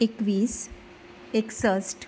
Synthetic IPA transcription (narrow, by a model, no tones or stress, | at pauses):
ekʋiːs | eksəsʈ